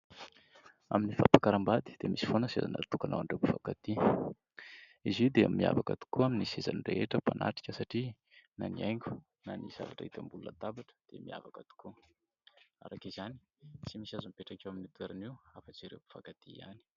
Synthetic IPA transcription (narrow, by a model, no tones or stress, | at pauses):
aminifapakaɾambad̪i̥d̪̥emisi̥fonəseza̰na̰t̪ukana̰waɳɖ͡ʐepufakat̪i | izid̪emːia̰vakə̰t̪u̥kuaminiseza̰nrḛeʈ͡ʂəpanʔa̰ʈ͡ʂi̥kʲəsaʈ͡ʂi | naniajŋɡʲu̥ | naniz̥a̰vaʈ͡ʂait̪ambulunət̪abaʈ͡ʂə̥d̪̥emia̰vakət̪u̥ku | a̰ɾakezani̥ | t͡simisazaumpeʈ͡ʂakʲewaminit̪uweɾaniwafət͡siɾewpu̥fakat̪iia̰ni̥